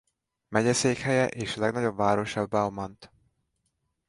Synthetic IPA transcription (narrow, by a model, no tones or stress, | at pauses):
mɛɟɛseːkhɛjɛʔeːʃlɛɡnɒɟo̞bvaːɾo̞ʃɒbːaomɒnt̪